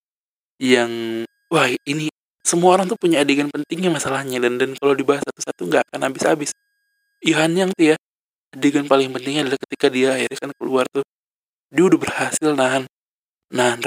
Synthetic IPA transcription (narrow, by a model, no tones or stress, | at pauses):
jaŋ | wahini | səmuaoɾaŋt̪upuɲaːdiɡanpənt̪ɪŋɲamasalahɲadandankalodibaɦasat̪usat̪uŋɡaːkanabɪsa̰bɪs | joɦaniaŋt̪ujaː | deɡanpalɪŋpənt̪ɪŋadalahkət̪ikadiaːjiɾakankəluart̪u | diaudahbərhasɪlnaɦanː | aɦan